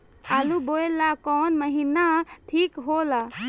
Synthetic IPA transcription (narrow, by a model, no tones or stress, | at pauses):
aluboelakɔnməɦinaʈʰiːkɦola